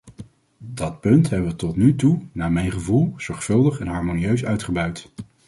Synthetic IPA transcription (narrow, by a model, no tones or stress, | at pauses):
dɑt̚pɵntɦɛbəʋətɔtnytunaːmɛjnχəvulˠz̥ɔɹχfɵlˠdəχɛnɦɑɹmoniøɥsœɥtχəbœɥt